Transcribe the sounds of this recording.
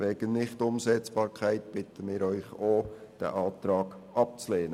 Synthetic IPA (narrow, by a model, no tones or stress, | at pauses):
vɛːɡ̥ənnɪχtʊmsɛt͡sb̥ɑːɾkʰæɪtb̥ɪtʰəmɪːɾœʏχoːd̥ɛ̰ʔɑːt̪ɾɑːɡ | ʔɑp̚t͡sleːnə